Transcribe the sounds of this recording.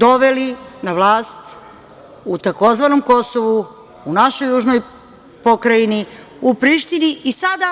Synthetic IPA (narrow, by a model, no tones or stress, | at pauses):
d̪o̞ʋelinaʋlˠaːst̪ | ut̪ako̞zʋano̞mko̞so̞ʋu | unaʃo̞jːuːʒnoj | po̞kɾaini | upɾiʃt̪iniːsad̪a